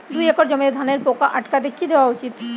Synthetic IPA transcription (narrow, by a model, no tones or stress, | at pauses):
d̪ujɛkoɾd͡ʑɔmed̪ʱaneɾpokaʔaʈkad̪ekʰːid̪eoaut͡ɕit̪